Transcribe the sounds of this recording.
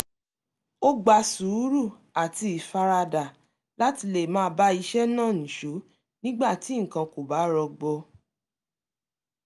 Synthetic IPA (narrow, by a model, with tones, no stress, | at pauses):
o˦ɡ͡ba˧su˨˦ɾu˦˨ | a˨ti˧i˨fa˧ɾa˧da˨ | la˦ti˧le˨mãː˦˧ba˦i˧ʃɛ˦nã˦˨ñ̩˨ʃo˨˦ | nĩ˦ɡ͡ba˦˨ti˨˦ŋ̩˨kã˧ko˨ba˨˦ɾɔ˧ɡ͡bɔ˧